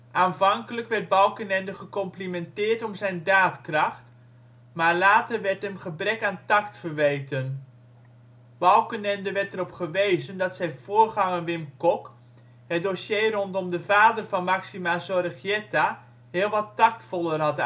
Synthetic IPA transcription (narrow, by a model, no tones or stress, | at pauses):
ʔaːnvɑŋkələkʋɛɹd̚bɑwkənɛndəχəkɔmplimɛntɪːɹtɔmzɛjndaːtkrɑχt | maːɹlaːtərʋɛɹtɦəmχəbrɛkaːntɑktfərʋejtən | b̥ɑwkənɛndəʋɛtərɔpχəʋejzəndɑtsɛjv̥oːɹχɑŋənʋɪmkɔk | ɦət̚dosjejrɔntɔmdəvaːdərvɑnmaksimazɔrəχjɛta | ɦɪːlˠʋɑtːɑktfɔlˠərɦɑt